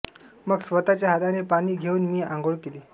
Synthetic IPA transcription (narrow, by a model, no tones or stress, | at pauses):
məɡsʋət̪at͡ɕjaɦad̪anepaɽ̃iːɡʱeuːnmiːãŋɡoɭkeliː